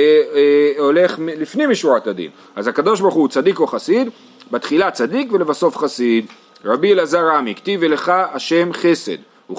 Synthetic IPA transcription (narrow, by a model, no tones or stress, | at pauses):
ole̞χmlifnimiʃuat̪ad̪ḭn | azhakad̪o̞ʃbaʁχut͡sad̪ikoχasid̪ | bat̪χilat͡sad̪ikvele̞vasofχasid̪ | ʁabielazaʁamikt̪ivele̞χaːʃe̞mχe̞se̞̰d̪ | u